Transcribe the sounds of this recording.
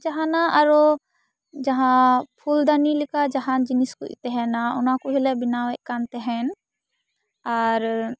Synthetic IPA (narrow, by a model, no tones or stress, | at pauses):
d͡ʒaɦanaʔaɾɔ | d͡ʒaɦãpʰuld̪anilikad͡ʒaɦand͡ʒiniskṵḭt̪ɛɦɛnaunakuɦilɛbinawɛkant̪ɛɦɛn | aɾ